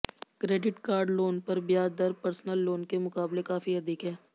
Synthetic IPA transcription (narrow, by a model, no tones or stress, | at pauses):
kɾeːɖɪʈkaːɾɖloːnpɐɾbjaːd̪əɾpəɾsnəlːoːnkemʊkaːblekaːfiɦɐd̪ɪːkɦɛː